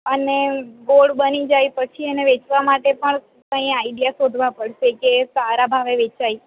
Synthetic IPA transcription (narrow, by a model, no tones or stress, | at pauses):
əneɡoɭbənid͡ʒajpət͡ʃʰieneʋet͡ʃʋamaʈepəɳ | kə̃ĩajɖijasod̪ʱʋapəɽʃekesaɾabʱaʋeʋet͡ʃai